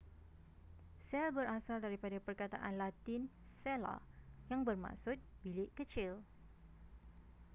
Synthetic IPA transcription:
sɛlbəɾasaldaɾipadapərkat̪a̰ʔanlat̪ɪn | sɛla̰jaŋbərma̰ksʊt̪̚bilɪʔkət͡ʃɪl

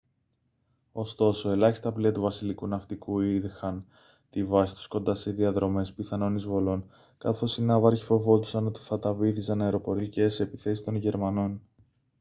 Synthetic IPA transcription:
o̞st̪o̞so̞e̞lɐçist̪ɐpliɐt̪uvɐsilikunɐft̪ikuiðixɐn | t̪ivɐsi̥t̪u̥sko̞nd̪ɐsiðiɐðɾo̞me̞spiθɐno̞nizvo̞lo̞n | kɐθo̞sinɐvɐɾʝifo̞vo̞d̪usɐno̞t̪i̥θɐt̪ɐviθisɐnɐeɾo̞po̞ɾiceseepiθe̞sist̪o̞nʝe̞ɾmɐno̞n

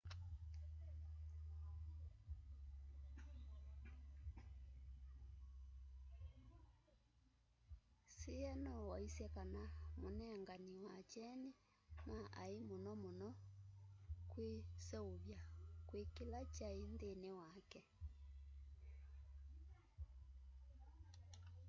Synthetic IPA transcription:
seɛnɔwɔisɛkanamonɛŋɡaniwat͡ʃɛne | maʔaemonɔmonɔ | kwesɛoβjakwekelat͡ʃaendenewakɛ

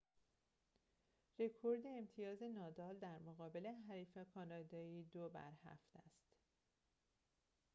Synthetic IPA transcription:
re̞kʰo̞ɾd̪eːmt̪ʰijɒːze̞nɒːd̪ɒːld̪æɾmoɣɒːbe̞le̞ɦæɾiːfekʰɒːnɒːd̪ɒːiːd̪obæ̰ɾhæ̰ft̪æst̪

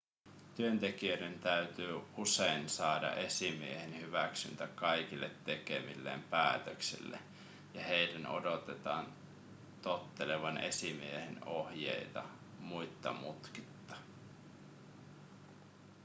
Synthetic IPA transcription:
t̪yønt̪e̞kiøde̞nt̪æyt̪yːusejnsɑːdɑ̰ʔe̞simie̞henhyʋæksy̰nt̪ækɑjkilːet̪ːe̞ke̞̰milːḛːmpæːt̪øksḭlːḛ | jɑhejdæno̞̰do̞t̪et̪ɑːn | t̪ot̪ːeleʋɑnʔe̞̰simieheno̞hjḛjt̪ɑ̰ | mujt̪ːɑ̰mut̪ki̥t̪ːɑ̥

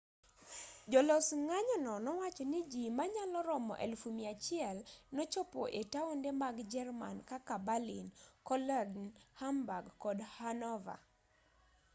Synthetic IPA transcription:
d͡ʒɔlɔsŋaɲɔnɔnɔwat͡ʃɔnɪd͡ʒimaɲalɔɾɔmɔ̰ʔɛ̰lfumiat͡ʃɪɛlnot͡ʃopo̰ʔetaondemaɡd͡ʒɛrma̰nkakabalinkɔlɛɡnhambaɡkɔdhanɔva̰

